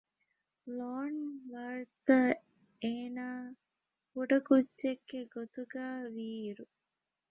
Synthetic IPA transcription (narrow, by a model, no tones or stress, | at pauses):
loːnʋaːɾt̪ɐ | eːnaː | kuɖɐkudd͡ʒeɡːeɡot̪uɡæːʋiːɾu